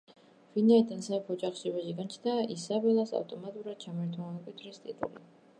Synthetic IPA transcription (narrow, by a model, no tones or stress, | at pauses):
vinaid̪ansaɛpʰɔɔd͡ʒaχʃiɔbaʃiɡant͡ʃʰnaʔisabɛlˠasa̰ft̪ʼɔmat̪ʼuɾad̪̥̚t͡ʃʰamɛɾt̪ʰwaankʼwit̪ʰɾist̪ʼḭt̪ʼṵlḭ